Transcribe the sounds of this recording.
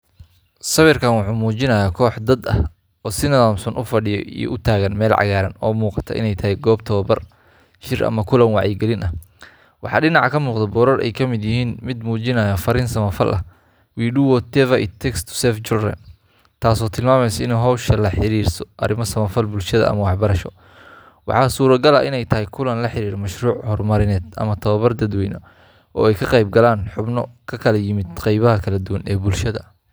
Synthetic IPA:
sɐβɪrkʰaːnwɑħuːmuːt͡ʃɪnɐjaːkʰɔːħd̪ɐd̪ɐ̰h | ɔːsɪnɐðaːmsɔnʔʊfɐɽɪjɔ̰ḭj̰ʔʊt̪ʰaːɣɐnmɛːlʕɑ̰ɣaːɾɐnɔːmuːqɑt̪ʰɐ̰ʔɪ̰nɛjt̪ʰɐɦɛjɡɔːbt̪ʰɔːbɐr | t͡ʃɪrʔɐ̰mɐkʰʊlɐnwɑʕjɪɡɛlɪnʔɐh | wɑħɑ̰ːɖɪnɑʕkʰɐmuːqd̪ɐbɔːɾɐrɛ̰jkʰɐmɪd̪jɪɦiːnmɪd̪muːt͡ʃɪnɐjaːfɐɾɪnsɐmɐfɐlʔɐ̰ | wiːɖuwɔt̪ʰɛvɐʔḭt̪ʰɛkst̪ʰsɛft͡ʃʊrrɛ̰m | t̪ʰaːsɔːt̪ʰɪlmaːmɛjsɐɪnɛɦɔwʃɐlɐħɪɾiːrsɔ̥ʔɐɾɪmɔsɐmɐfɐlbʊlʃɐðɐ̰ʔɐ̰mɐwɑħbɐɾɐʃɔ | wɑ̰ħɑːsuːɾɐɡɐlɐʔɪnɛjt̪ʰɐɦɪjkʰʊlɐnlɐħɪɾiːɾɔmɐʃruːʕhɔrmɐɾɪnɛːd̪ɐ̰mɐt̪ʰɐβɐβɐrd̪ɐd̪wɛjnɐ | ʔɔ̰ːɛjkʰɐqɑjb̚ɡɐlaːnħʊbnɔkʰɐkʰɐlɐjɪmɪd̪qɑjβɐɦɐkʰɐlɐd̪uwɐnɛːbʊlʃɐðɐ̰

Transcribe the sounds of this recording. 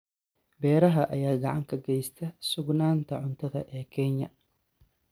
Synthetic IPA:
bɛːɾɐɦɐʔɐjaːɡɐʕɑŋkʰɐɡɛjst̪ʰɐsʊɡnaːnt̪ʰɐʕʊnt̪ʰɐðɐʔɛːkʰɛɲːɐ̰

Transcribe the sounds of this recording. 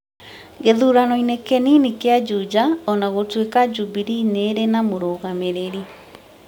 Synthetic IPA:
ɡeðuɾanɔinekɛninikead͡ʒud͡ʒaɔnaɣotwekad͡ʒubiɾineːɾenamoɾoːɣameɾeɾi

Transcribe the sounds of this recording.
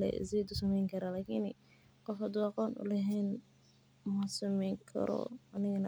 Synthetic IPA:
lɛ̰ʔɪ̰sɛːd̪ʊsɐmɛjŋkʰɐɾalaːkʰin | qɔfhɐd̪ʊɑqɔːnʔʊ̰lɛɦɛːn | mʊhɐsʊmɛjŋkʰɐ̰ɾɔ̰ɐnɪɣɐn

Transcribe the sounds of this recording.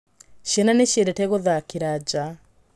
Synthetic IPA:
ɕjɛnaneɕjeɾɛtɛɣoðakeɾad͡ʑa

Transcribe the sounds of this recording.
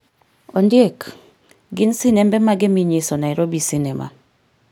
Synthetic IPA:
ɔndjek | ɡɪnsinɛmbɛmaɡɛmiɲesonaiɾobisinɛma̰

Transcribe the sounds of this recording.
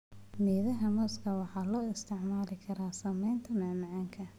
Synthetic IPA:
miːðɐɦɐmɔskʰɐwɑħɑːlɔːɪst̪ʰɪʕmaːlɪkʰɐɾaːsɐmɛjnt̪ʰɐmɐːmɑʕaːŋkʰɐ

